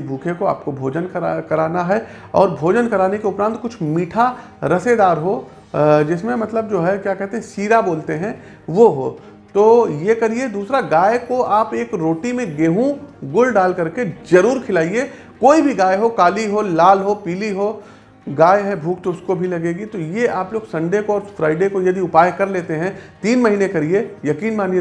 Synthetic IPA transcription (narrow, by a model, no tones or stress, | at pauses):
bʱuːkʰekoa̰ːp̚kobʱoːd͡ʒənkɐɾaːnaɦɛ | ɔ̰ːɾbʱoːd͡ʒənkɐɾaːnekeʊpɾə̃ːnt̪̚kʊt͡ʃʰmiːʈʰa | ɾɐsed̪aːɾɦo | d͡ʒɪsmẽmɐt̪ləb̚d͡ʒoːɦɛkjaːkɛɦt̪eɦɛ̃siːɾaboːlt̪eɦɛ̃ | ʋoɦo̰ː | t̪oːjekɐɾied̪uːsɾaɡaːjekoʔaːpeːkɾoːʈimẽɡeːɦũɡʊlɖaːlkɐɾkezɐɾuːɾkʰɪlaːie | koːibʱiɡaːjɦokaːliɦolaːlɦopiːliɦoː | ɡaːjɦɛbʱuːk̚t̪oʊskobʱilɐɡeːɡit̪ojeʔaːploːɡsɐ̃ɳɖekoɔːɾfɾaːɪɖekojɐd̪iʊpaːjkɐɾleːt̪eɦɛ̃t̪iːnmɐɦiːnekɐɾiejɐkiːnmaːnije